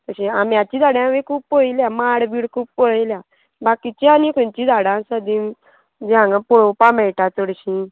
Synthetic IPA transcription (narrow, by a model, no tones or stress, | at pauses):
t̪əɕĩamjat͡ɕiːd̪ʱaɽãʋekʰuːppojljamaɽbiːɽkʰuːppɔɭəjlja | bakit͡ɕianikunt͡ɕid̪ʱaɽãsəd̪ĩn | d͡ʑãŋɡəpɔɭopamɛjʈat͡səɽɕĩ